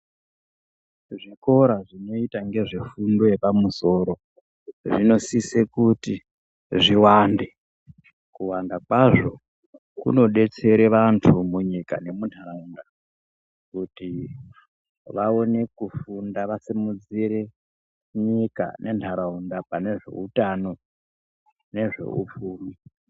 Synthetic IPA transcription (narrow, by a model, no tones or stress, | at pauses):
ʐiko̞ɾaʐino̞itaŋɡe̞ʐefundo̞je̞pamuso̞ɾo̞ | ʐino̞sisekuti | ʐiwaːnde̞ | kuwandakwaʐo̞ | kṵno̞ɗe̞t͡se̞ɾe̞ʋantʰumuɲika̰ne̞muntʰaɾaunda | kuti | ʋao̞ne̞kufundaʋasimud͡ziɾe̞ | ɲika̰nʔe̞ntʰaɾaundapane̞ʐe̞̰utano̞ | ne̞ʐe̞̰ṵp͡fuːmi